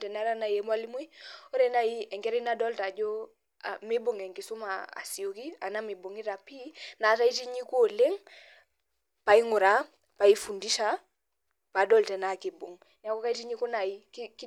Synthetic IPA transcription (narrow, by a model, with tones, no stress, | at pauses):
tɛ˨na˦ɾa˦na˨je˨m˦a˦li˦mu˦i˦o˦ɾe˦na˦ji˦ɛ˨ŋke˦ɾi˦na˦dɔ˦lta˨d͡ʒo˦ | a̰˨mi˦bo˨ŋe˨ŋki˨su˦ma̰ː˨si˨o˨ki˦a̰˨na˦mi˨bo˨ŋi˦ta˨pi˦na˨ta˦i˦ti˦ɲi˦ko˨le˦ŋ | pa˨i˦ŋu˨ɾa˦ | pa˨i˦fu˨ndi˦ʃa˦ | pa˨dɔ˦lte˨na˦ki˨bo˨ŋ | ɲa˨ko˦ka˦i˦ti˦ɲi˦ku˦na˨i˦kk